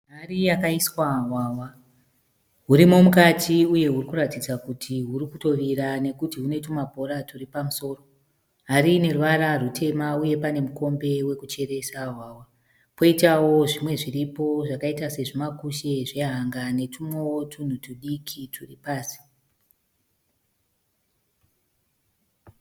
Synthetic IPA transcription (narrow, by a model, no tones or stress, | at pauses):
ɦarijakaiswaɦwaːwa | ɦuɾimo̞mukatʰiuje̞ɦurikuratid͡zakutʰiɦuɾikuto̞ʋiɾane̞kutiɦune̞tumabʱo̞ɾaturipamuso̞ːro̞ | ɦaɾine̞ruʋaɾarutʰe̞mauje̞pane̞muko̞mbe̞we̞kut͡ʃe̞ɾe̞sawaːwa | po̞itawo̞ʐimwe̞ʐiripo̞ʐakaitase̞ʐimakuʃe̞ʐe̞ɦaŋɡane̞tʰumowotʰun̤utuɗikʰitʰuripaːsi̥